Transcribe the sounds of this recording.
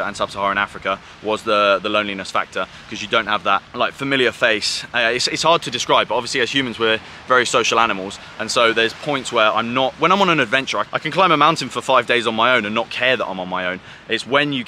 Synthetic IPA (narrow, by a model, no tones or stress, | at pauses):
ə̰̃nsʌb̥səhɑːɹɪ̃ña̰fɹɪkə | wɒzðəðələ̃ʊ̃nlinəsfa̰k̚tʰə | kʰɒzjədə̃ʊ̃nthəvðəʔ̚laɪkfəmɪlˠjəfeɪsɪtsɪtshɑːd̚tʰədɪskɹaɪb̥ʌtɒbviəsliəz̥hjʉːmə̃nzwə | vɛɹisəʊʃəlˠañɪməlˠz̥ | ʔə̃nsoʊðəz̥pʰɔ̃ɪ̃ntswəɹã̰ɪ̃mnəʔwə̃nãɪ̃mə̃nə̃nədvɛ̃nt͡ʃəɹaɪʔaɪkʰə̃n̩kʰl̥ãɪ̃məmãʊ̃ntɪ̃nfəfaɪvdeɪzn̩maɪə̃ʊ̃nə̃nːət̚kʰɛːðə̰ʔã̰ɪ̃mə̃nmaɪə̃ʊ̃n | ɪtswə̃njə